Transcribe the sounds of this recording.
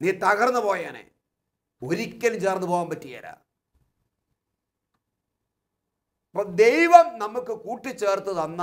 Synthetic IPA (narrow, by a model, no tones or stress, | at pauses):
niːt̪ɐɣɐrnːɨpo̞ːjaːnḛː | o̞ɾikʲːɐnumt͡ɕeːrnːɨpoːʋaːmpɐtːija̰ːɾa̰ː | ɐpɐmd̪ejʋɐmnɐmːukːɨkuːʈːɨt͡ɕːe̞ːrt̪ɨðɐnːa